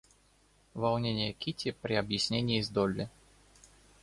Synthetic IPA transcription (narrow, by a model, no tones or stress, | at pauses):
valˠnʲenʲɪjəkʲitʲɪpɾʲɪɐbjɪsʲnʲenʲɪiːzd̪ɔlʲːɪ